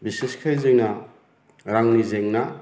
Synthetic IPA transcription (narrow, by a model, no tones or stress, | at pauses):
biseskʰajzeŋna | ɾaŋnizeŋna